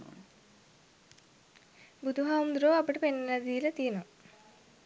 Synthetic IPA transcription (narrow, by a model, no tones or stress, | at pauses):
bud̪ʱuɦaʋumd̪ɾoːɐpɐʈepenːɐlɐd̪iːlɐt̪ijnu